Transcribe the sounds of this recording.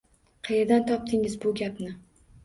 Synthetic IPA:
qʰɑjeɾd̪ant̪ʰɒp̚t̪ʰɪŋɪzbʊɡʲapnɪ

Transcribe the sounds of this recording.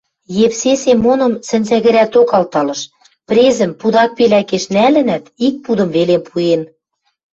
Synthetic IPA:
jeβsesemːonɤ̆msɘ̆nʲzæɣɘ̆ɾæt̪okɑlt̪ɑlɤ̆ʃ | pɾezɘ̆mpud̪ɑk̚pelækeʃnælɘ̆næt̪ik̚pud̪ɤ̆mβelempʰuen

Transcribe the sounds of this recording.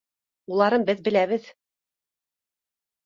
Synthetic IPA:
ulˠɑɾɤmbɘðbɘ̆læβɘð

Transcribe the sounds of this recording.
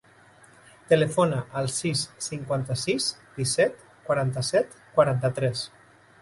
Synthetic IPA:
t̪elefonaʔəlˠsisːiŋkwant̪əsisd̪̥isɛt̪ | kwaɾant̪əsɛt̪kwaɾant̪ət̪ɾɛs

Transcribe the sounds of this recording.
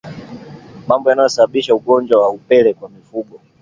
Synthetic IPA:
mambɔjanajɔsaɓaɓiʃauɠɔnd͡ʒwawaupɛlɛkwamifuɠɔ

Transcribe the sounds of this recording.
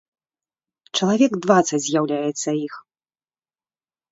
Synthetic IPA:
t͡ʂɐlˠavʲɛɡd̪vat̪sɐzʲjawlʲajɛt̪sːɐix

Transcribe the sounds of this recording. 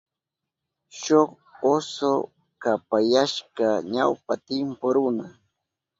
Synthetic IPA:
ʃoχ | oso | kapajaʃkaɲawpat̪ɪmpoɾʊna

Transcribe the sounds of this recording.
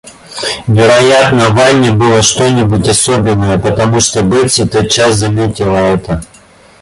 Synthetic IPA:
vʲɪɾɐjat̪nəvajnʲɪbɨlˠəʂt̪onʲɪbutʲɐsobʲɪnːəjəpət̪ɐmuʂt̪obɨtʲsʲɪt̪ət̪̚t͡ɕaszɐmʲetʲɪlˠəɛt̪ə

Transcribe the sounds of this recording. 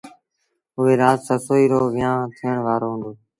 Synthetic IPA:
ʊɦeːɾaːzsəsoːiːɾoːʋɪjãːt̪ʰiːəɳʋaːɾoːɦʊ̃ːnd̪oː

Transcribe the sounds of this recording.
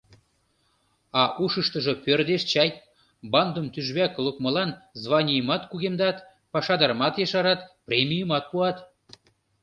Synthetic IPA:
ɑʔuʃəʃt̪əʒɤ̆pørd̪eʃt͡ɕɑj | bɑnd̪əmt̪yʒβæklukmə̆lɑnzβɑnʲijəmɑt̪kuɣemd̪ɑt̪ | pɑʃɑd̪əɾmɑt̪jeʃɑɾɑt̪prʲemʲijəmɑt̪̚puɑt̪

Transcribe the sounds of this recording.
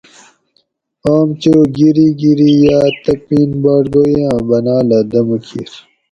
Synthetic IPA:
aːmt͡ɕoːɡiɾiɡiɾijaːt̪ɐpiːnbaːʈɡojãːbɐnaːlɐd̪ɐmukʰiɾ

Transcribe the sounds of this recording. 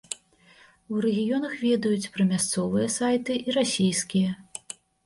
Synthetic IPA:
uɾɛɣʲijɔnɐxvʲɛd̪ɐjut͡sʲpɾɐmʲast̪sɔvɨjɐsajt̪ɨʔiɾasʲijskʲijɐ

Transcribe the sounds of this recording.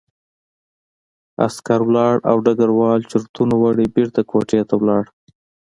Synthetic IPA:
a̰skaɾwlɑɽa̰wɖaɡaɾwɑlt͡ʃʊɾt̪unowaɽibeɾt̪akʰoʈjɑt̪awlɑɽ

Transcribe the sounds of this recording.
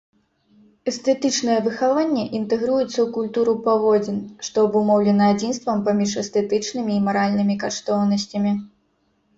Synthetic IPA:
ɛst̪ɛt̪ɨt͡ʂnɐjɛvɨxavanʲːɛʔint̪ɛɣɾujut̪sːɐwkulʲt̪uɾupavɔd͡zʲinʂt̪ɔɐbumɔwlʲɛnɐad͡zʲinst̪vɐmpamʲiʂɛst̪ɛt̪ɨt͡ʂnɨmʲiːmaɾalʲnɨmʲikaʂt̪ɔwnɐsʲt͡sʲɐmʲi

